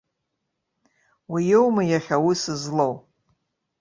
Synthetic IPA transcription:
wijewmajaχʲawisɨzlow

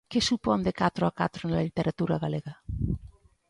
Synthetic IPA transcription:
kesupɔnd̪ekat̪ɾoakat̪ɾoenlalit̪eɾat̪uɾaɣaleɣa

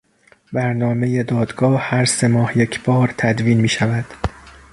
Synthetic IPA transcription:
bæɾnɒːme̞jed̪ɒːd̪̥ɡɒːhæɾse̞mɒːhjecʰb̥ɒːɾt̪ʰæd̪viːnmiːʃævæd̪̥

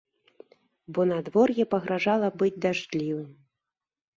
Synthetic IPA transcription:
bɔnad̪vɔrjɛpɐɣɾaʐalˠɐbɨd͡zʲd̪aʐdʲlʲivɨm

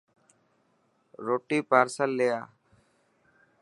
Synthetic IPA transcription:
ɾoːʈiːpaːɾsəlːejaː

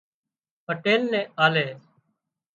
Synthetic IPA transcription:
pəʈeːlnɛ̃ːaːleː

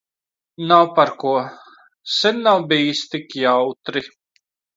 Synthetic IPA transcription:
nawpaɾkuɔ | senːawbiːst̪ikjawt̪ɾi

